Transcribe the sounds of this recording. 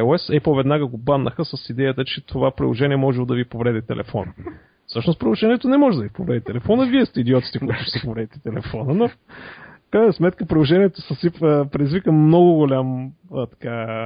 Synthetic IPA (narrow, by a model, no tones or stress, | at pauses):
oɛsɛpovɛd̪naɡəɡobad̪nʔəxəsəsid̪ɛjət̪ət͡ʃɛt̪ʰovapɾḭlˠoʒɛniɛmɔʒɛlˠod̪ɐvipovɾɛd̪it̪ɛ̰lʔɛ̰fɔ̰nə | fsɤʃnospɾilˠoʒɛniɛt̪onɛmɔʒɛd̪ɐvipovɾɛd̪it̪ɛlɛfɔnəviɛst̪ɛid̪iɔt̪i̥t̪ɛkoʊit̪ʊ̥ʃɛsɛpovɾɛd̪it̪ɛ̥t̪ɛlɛfɔnəno | fkɾajnəsmɛt̪kəpɾilˠoʒɛniɛt̪osəsiəpɾɛd̪izvikəmnɔɡʊɡolʲamt̪ɐ̥ka